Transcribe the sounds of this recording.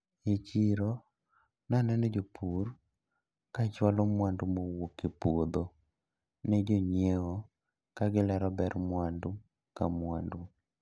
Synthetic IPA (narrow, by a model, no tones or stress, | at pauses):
et͡ʃiɾo | nanɛnɛd͡ʒopʰur | kat͡ʃwalɔmwandumowokepwod̪o | nɛd͡ʒoɲeo | kaɡɪlɛɾɔbɛrmwandu | kamwandu